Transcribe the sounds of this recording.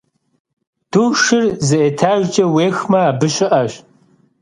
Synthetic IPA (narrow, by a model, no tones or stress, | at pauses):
d̥uːʃɪrzɨʔetʰaːʒt͡ʃʼɐweːxmɐaːbɨɕɪʔɐɕ